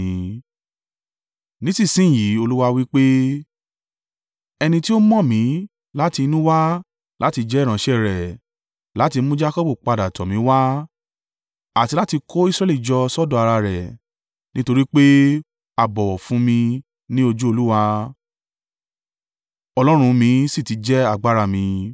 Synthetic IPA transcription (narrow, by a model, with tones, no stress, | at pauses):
nĩ˦si˦˨sĩ˦˨ji˨˦o˧lu˦wa˧wi˦k͡pe˦ | ɛ˧nĩ˧ti˦o˦mɔ̃˦˨mĩ˨˦ | la˦ti˧nũ˦wa˦ | lʔa˨˦ti˧d͡ʒɛ˨˦˨ɾ̃ã˨˦ʃɛ˦˨ɾɛ˨ | la˨˦ti˧˦mũ˦d͡ʒa˦kɔ˦bu˦˨k͡pa˧da˨tɔ˨mĩ˨˦wa˦ | a˦˨ti˧la˦ti˧ko˦i˦˨sɾɛ˦li˦˨d͡ʒɔ˧sɔ˦dɔ̃˧˨a˧ɾa˧ɾɛ˨ | nĩ˦to˧ɾi˦k͡pe˦ | a˨bɔ˨wɔ˨fũ˨˦mĩ˧ | nĩ˦o˧d͡ʒu˦o˧lu˦wa˧ | ɔ˧lɔ˦ɾ̃ũ˧mĩ˧si˦˨ti˨˦d͡ʒɛ˦a˦˨ɡ͡ba˦ɾa˧mĩ˧